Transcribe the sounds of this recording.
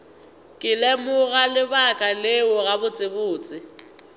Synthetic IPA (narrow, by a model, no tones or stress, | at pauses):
kʼɪlɛmʊɣalɪbakʼaleʊɣabʊt͡sʼɪbʊːt͡sʼɪ